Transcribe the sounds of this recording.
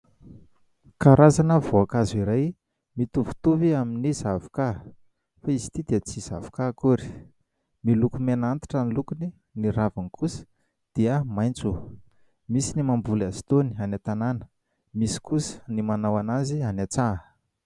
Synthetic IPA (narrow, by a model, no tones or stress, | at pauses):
kaɾʔazanəvoakaziɾaj | mit̪uvu̥t̪uviaminizavu̥ka | faizi̥t̪id̪iət͡siz̥a̰vu̥kakuɾi̥ | milukumenant̪i̥ʈ͡ʂanilukuni | niɾavanikʰusə̥ | d̪̥iəmajnt͡su | misinimambulazi̥t̪onianat̪ananə̥ | misi̥kusə̥nimanawanazianat͡sa